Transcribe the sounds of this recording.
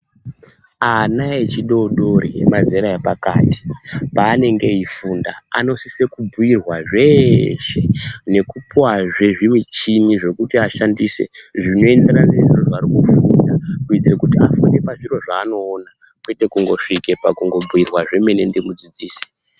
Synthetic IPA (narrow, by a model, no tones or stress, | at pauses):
anaet͡ʃiɗo̞ɗo̞ɾijḛmazeɾaepaka̰ːti̥paːne̞ŋɡe̞ifunda̰a̰no̞sise̞kubʱujirwaʐe̞ʃe̞ne̞kupuwaʐeʐimit͡ʃiniʐe̞kutiaʃandiːse̞̰ʐino̞e̞ndeɾaneʐiroʐarikufundakuid͡zirekutiafunde̞paʐiro̞ʐaːno̞ːna | kwete̞kuŋɡo̞ʂike̞pakuŋɡo̞buirwaʐe̞me̞ne̞ndemud͡zid͡ziːsi̥